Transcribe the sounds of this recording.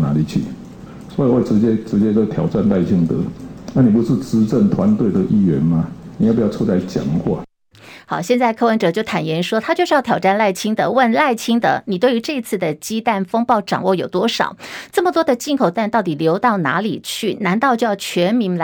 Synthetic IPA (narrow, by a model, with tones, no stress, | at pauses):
na˧˦˥li˨˩t͡ɕʰy̰˥˩ | swɔ˧˥i˨˧we˥˩ɪʈ͡ʂɻ̩˧˥t͡ɕjɛ˦ʈ͡ʂɻ̩˧˥t͡ɕjɛ˥t͡sə˥˧˩t̪ʰjɑ˨˩ʊʈ͡ʂa˥˧nla˥˧ɪt͡ɕʰi˦˥ŋd̪ə˧˦na˥˩ni˨˩pu˧˦˥ʂɻ̩˥˨t͡sɻ̩˧˥ʈ͡ʂə˥˨˩ŋt̪ʰwa˧˦nt̪we˥˩ɪd̪ə˨ʔi˥˩ɥɛ̰˧˦nma˦ni˨˩a˥˩pu˧˦jʊʈ͡ʂʰu˥t͡sa˥˧ɪt͡ɕja̰˨˩ŋkwa̰˥˩ | xɑ˨˩ʊɕjɛ˥˧nt͡sa˥˧ɪkʰɤ˥wə˧˥nʈ͡ʂɤ˨˧˦t͡ɕjo˥˩ʊt̪ʰa˨˩njɛ˧˥nʂwɔ˥t̪ʰa˥t͡ɕjo˥˧ʂɻ̩˥˧˥tʰjɑ˨˩ʈ͡ʂa˥˧nla˥˩ɪt͡ɕʰi˥ŋd̪ə˧˦wə˥˧nla˥˩ɪt͡ɕʰi˥ŋd̪ə̰˧˦ni˨˩t̪we˥˩ɪy˧˥ʈ͡ʂɤ˥˩i˧˥t͡sʰɹ̩˥˩d̪ə˩t͡ɕi˥t̪a˥˩nfɤ˥ŋpɑ˥˩ʊʈ͡ʂɑ̰˨˩ŋwɔ˥˩jo˨˩ʊt̪wɔ˥ʂɑ̰˨˩˦ʊt͡sɤ˥˩mə˩t̪wɔ˥d̪ə˨t͡ɕi˥˩nkʰo˨˩ʊt̪a˥˧nt̪ɑ˥˩t̪i˨˩ljo˧˥ʊt̪ɑ˥˩ʊna̰˧˥lḭ˨˩t͡ɕʰy˥˩na˧˥nt̪ɑ˥˧ʊt͡ɕjo˥˧ʊjɑ˥˩ʊt͡ɕʰɥɛ˧˥nmi˧˥ŋl